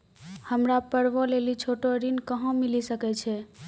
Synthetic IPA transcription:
həmɾapəɽʋɔ̃lelit͡ʃʰoʈoɾinkəɦõmilisəkɛt͡ʃʰɛ

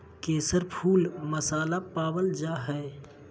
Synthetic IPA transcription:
keːsəɾpʰuːlməsaːlapaːwəld͡ʒaːɦɛː

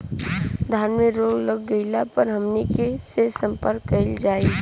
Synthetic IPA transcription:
d̪ʱaːnmeɾoːɡləɡːəɪlapəɾɦəmnekesesə̃mpəɾkːəɪld͡ʒaːi

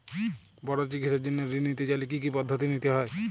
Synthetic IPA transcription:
bɔɽot͡ʃikit̪sed͡ʒinːeɾinit̪et͡ʃalik̬ik̬ipɔd̪ʱːət̪init̪eɦɔe

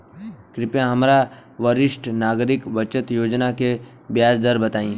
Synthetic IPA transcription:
kɾɪpjãɦɐmɾaʋəɾɪʃʈnaːɡɾɪkʋət͡ʃət̪joːd͡ʒnake | bjaːsd̪əɾbɐt̪aːĩː

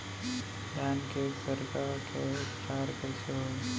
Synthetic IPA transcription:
jaːnkesəɾkaːɾket͡ʃaːɾkɛsʰeɦoː

